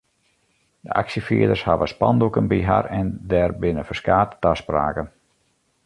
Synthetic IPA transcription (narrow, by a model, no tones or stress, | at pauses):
dəa̰ksəfḭədərshaʋəspɑ̰ndukənbiɦa̰rɛndɛrbɪnəfərskaːttaspraːkən